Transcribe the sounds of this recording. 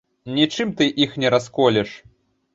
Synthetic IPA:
nʲit͡ʂɨmt̪ɨʔixnʲɛɾaskɔlʲɛʂ

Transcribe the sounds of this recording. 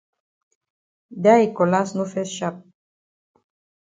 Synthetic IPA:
d̪aikolasnufesʃap̚

